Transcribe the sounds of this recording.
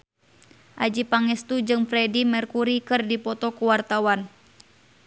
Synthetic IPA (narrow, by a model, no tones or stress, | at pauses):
ʔad͡ʒipaŋɛst̪ud͡ʒɨŋfɾɛdimɛrkuɾikɨrdipɔt̪ɔkuwart̪awan